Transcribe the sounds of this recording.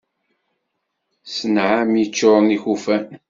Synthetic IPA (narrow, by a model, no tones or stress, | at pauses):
sənʕamjit͡ʃːoɾˤnixufæn